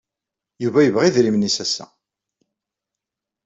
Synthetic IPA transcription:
juvæjəvʁiðɾimnisæsæ̰

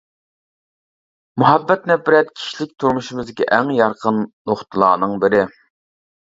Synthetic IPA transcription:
muɦɑbːɛt̪nɛbɪɾɛt̪kʲʰi̥ʃlɪk̚ʲt̪ʰuɾmuʃimɨzɡʲɛʔɛŋjɑɾqʰənnoχt̪ʰɨlˠɑ̰ːnɨŋbɪɾɪ

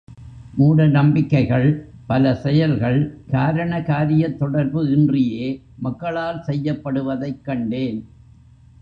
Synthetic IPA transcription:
muːɽɐnɐmbɪkːɐɪɣɐɭpɐlɐsɛjɐlɣɐɭkaːɾɐɳɐkaːɾɪjɐt̪ːɔɽɐɾbɯɪndrɪjeː | mɐkːɐɭaːlsɛjːɐpːɐɽɯʋɐðɐɪkːɐɳɖeːn

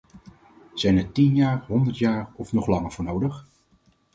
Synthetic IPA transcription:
z̥ɛjnɛɹtinjaːɹɦɔndəɹtjaːrɔfnɔχlɑŋəɹv̥ʊːɹnowdəχ

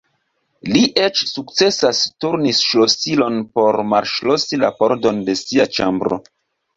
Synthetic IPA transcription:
liʔet͡ʃsukt͡se̞sastuɾnisʃlosilo̞npo̞ɾmalʃlosilapoɾdo̞nde̞siat͡ʃa̰mbɾo̰

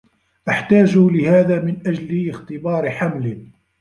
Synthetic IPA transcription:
ʔaħt̪aːd͡ʒulɪhaːðaːmɪnʔad͡ʒlɪxt̪ɨbɑːɾħamlɪ

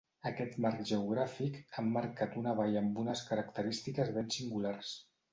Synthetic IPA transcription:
əkɛt̪markʒəuɣ̞ɾafikamːaɾkat̪unəβ̞ajəmbunəskəɾək̚t̪əɾist̪ikəzβɛnsiŋɡulars

